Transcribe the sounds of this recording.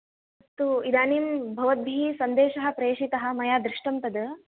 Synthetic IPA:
ɐt̪ːuid̪aːniːmbʱɐʋɐd̪̚bʱisɐnd̪eːʃɐɦɐ̆pɾeːʃit̪ɐɦɐ̆mɐjaːd̪ɾɪʂʈɐmpɐd̪

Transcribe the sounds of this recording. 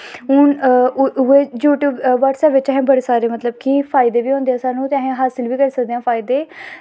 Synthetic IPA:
ɦʊn | eːjuːʈjuːbʋaːʈsɛːpʋɪt͡ʃːɦẽːbəɽeːsaːɾeːmət̪ləbkipʰaːɪd̪eːʋiːõːnd̪eãːsaːnũːt̪ɛ̃ːɦẽːɦaːsɪlʋiːkəɾsəkd̪eːãːpʰaːid̪eː

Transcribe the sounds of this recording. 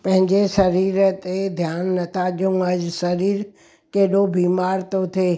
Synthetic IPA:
pə̃ɦɪ̃ɲd͡ʒeʃəɾiːɾt̪ed̪ʱjaːnːət̪ʰad͡ʒəũəd͡ʒsəɾiːɾ | keːɗobiːmaːɾt̪ot̪ʰe

